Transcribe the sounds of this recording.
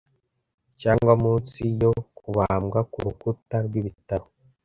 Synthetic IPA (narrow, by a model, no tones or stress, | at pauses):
caːŋɡwamuːt͡sijo̞kuβamɡakuɾukutaɾɡwiβitaɾo